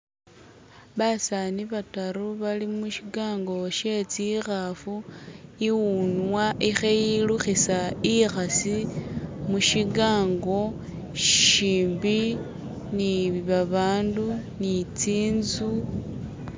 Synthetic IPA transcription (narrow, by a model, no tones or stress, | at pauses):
βasaniβataɾuβalimuʃiɡaːŋɡo̞ʃe̞t͡sixafuiwunwaʔixejiluxisaixasi | muʃiɡaːŋɡo̞ | ʃʃiːmbi | niβaβaːndunit͡siːnzu